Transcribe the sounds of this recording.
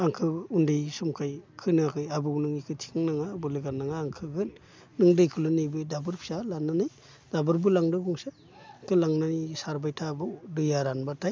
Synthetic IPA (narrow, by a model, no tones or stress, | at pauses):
aŋkʰɯundɯjsumkʰajkʰɯnɯakʰɯjabɯwnɯŋikʰɯtʰi̥ŋnaŋabɯlɯɡanːaŋaːŋkʰɯɡɯn | nɯŋdɯjkʰɯlɯnɯjbɯjdabɯɾpʰi̥salanɯnɯj | dabɯɾbɯlaŋdɯɡuŋsa | kʰɯlaŋnanisaɾbajtʰabɯwdɯjaɾanbatʰaj